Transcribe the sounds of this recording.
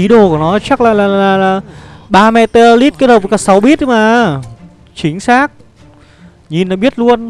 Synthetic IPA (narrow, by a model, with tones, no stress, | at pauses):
i˨˦ɗo˨˩ku˧˩˨nɔ˨˦t͡ɕa˦˥k̚laː˨˩laː˨˩˨laː˨˩ɓaː˧mɛ˧t̪ə˧li˦˥t̚ki˦˥t̚ho˨˩˨kaː˨˩sa˨˦wɓi˦˥ət̚maː˨˩ | t͡ɕï˨˦ŋ̟saː˦˥k̚ | ɲi˨˩nːa˨˦ɓi˦˥ət̚lu˧ən